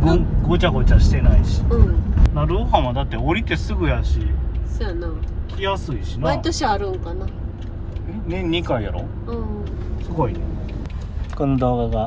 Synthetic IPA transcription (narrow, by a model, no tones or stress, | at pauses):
ɡɯ̃ŋɡot͡ɕaɡo̞t͡ɕaɕi̥t̪e̞naiɕi̥ɯ̃naɾɯhãad̪at̪ːeoɾʲit̪e̞sɨɡɯ̟jaɕianãkʲʰijasɨiɕinait̪oɕiaɾɯ̟̃ŋkana | enẽ̞ɲɲːikaijaɾo | ɯ̃ | sɨɡo̞ine | konod̪o̞ːɡaɡa